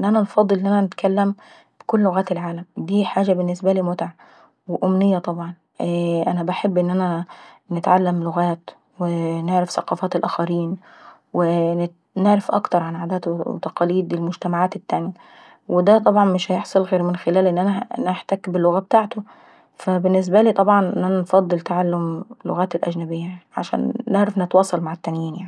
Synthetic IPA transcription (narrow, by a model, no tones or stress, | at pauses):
nʔænænfɑd̪ˤːɨlʔnʔænænɪt̪kʰælːæm | b̥ɪkʊlːloɣæːt̪elʕaːlæmd̪iːħaːʒæbɪnːɪsbæliːmot̪aʕ | weʔʊmnɪjːæt̪ˤɑbʕɑn | ʔʔænæbaħebːʔɪnːʔænænɪt̪ʕalːæmloɣæːt̪ | weneʕɾæfθæqɑːfæːt̪elʔæːxæɾiːn | we | neʕɾæfʔɑ̰kt̪ɑɾˤʕanʕaːd̪æːt̪w̰t̪æqɑːliːd̪elmʊd͡ʒt̪æmaʕaːt̪et̪ːæːnjæ | wed̪æt̪ˤɑbʕɑnmɪʃhæjeħsˤɑlɣeːɾmɪnxelæːlʔenːʔænæneħt̪ækbɪlːoɣæːb̚t̪aːʕt̪o | fæbɪnːes̬bæliːt̪ˤɑbʕɑnʔnʔænænfɑd̪ˤːɨlt̪aʕalːomlo̰ɣæːt̪elʔæd͡ʒnæbejːæʕa̰ʃæ̰ːnːeʕɾæfnet̪wɑːsˤɑlmaʕat̪ːænjiːnjaʕni